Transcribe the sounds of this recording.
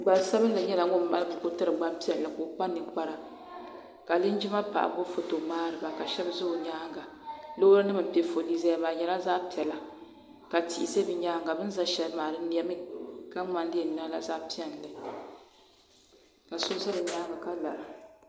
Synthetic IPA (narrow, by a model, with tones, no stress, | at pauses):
ɡ͡ba˨sɛ˦bɨ˦n˦lɨ˨ɲɛ˦la˨ŋʊ˦mː˦a̰˦lɨ˦kɨ˨kʊ˦tɨ˦ɾɨ˨ɡ͡ba˦n˦pi˦ɛ˨n˨lɨ˨ko˨˦k͡pa˦nːɨ˨k͡pa˦ɾa˨ | ka˨lɨ˦n˦d͡ʒɪ˦ma˦pa̰˨ʔa̰˨bo˦fo˨to˨maː˦ɾɨ˨ba˨ka˨ʃɛ˦bzo˦o˨ɲaː˦ŋɡa˨ | loː˦ɾɨ˦nɨ˦mɨ˨pe˨fo˨li˦za˦ja˦ba˨ɲɛ˦la˦zaː˦pi˨ɛ˨la˨ | ka˨ti˨i˨se˦bɨ˨ɲaː˦ŋɡa˨bɨ˦n̩˦za˦ʃɛ˨bmaː˨ɾɨ˦ni˨˦ɛ˦mɨ˦ka˦ŋa˨n˦dɨ˦jɛ˨nɨ˨˦la˦za˦pi˦ɛ˨n˨lɨ˨ | ka˨so˦sa˦bɨ˨ɲaː˦ŋɡa˨ka˦la̰˨ɾa˨